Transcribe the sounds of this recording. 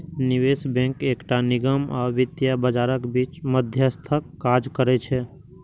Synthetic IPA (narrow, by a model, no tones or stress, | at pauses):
nɪʋesbɛ̃ŋkeːkʈanɪɡəmɔ̰ːʋɪt̪jabəd͡ʒaːɾəkbiːt͡ʃməd̪ʱjəst̪ʰəkːad͡ʒkəɾɛt͡ʃʰɛ